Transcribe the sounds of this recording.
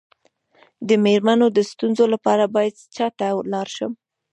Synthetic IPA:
d̪əmeɾmanod̪əst̪unzolapɑɾabɑjad̪t͡ʃɑt̪alɑɾʃəm

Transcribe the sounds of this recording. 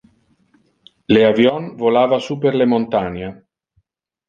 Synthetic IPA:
leavjɔnvolaːvasupeɾlemont̪ana

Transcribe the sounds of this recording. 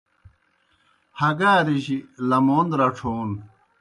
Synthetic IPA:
hɐɡaːɾiʑilɐmoːnd̪ɾɐʈ͡ʂʰoːn

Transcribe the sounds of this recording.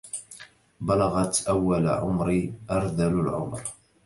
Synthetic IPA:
bɑlɑɣɑt̪ʔawːal̰ʕʊmɾiʔɑɾˤd̪alʊlʕʊ̰mɾ

